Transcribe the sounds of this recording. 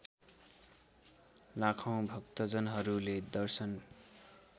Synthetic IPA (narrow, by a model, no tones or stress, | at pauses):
lakʰãw̃bʱʌkt̪ʌd͡zʌnɦʌɾuled̪ʌrsʌn